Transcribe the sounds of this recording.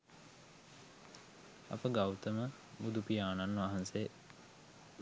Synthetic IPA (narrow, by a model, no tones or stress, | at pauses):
ɐ̰pəɡawt̪əmə | mud̪upijaːnanʋaɦanseː